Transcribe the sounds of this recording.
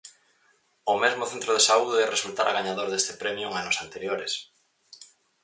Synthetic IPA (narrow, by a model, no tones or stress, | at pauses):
ʊmezmʊθẽnt̪ɾoðesauðɪɛresult̪aɾʔa̰ɣaɲaðoɾðest̪ɪ̥pɾɛmjʊeŋanʊsant̪eɾjoɾes